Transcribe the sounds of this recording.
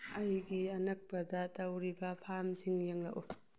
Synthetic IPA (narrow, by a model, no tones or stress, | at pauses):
ɐjɡiɐnɐk̚pɐdɐtɐwɾibɐpʰamsiŋjeŋlɐ̰ʔṵ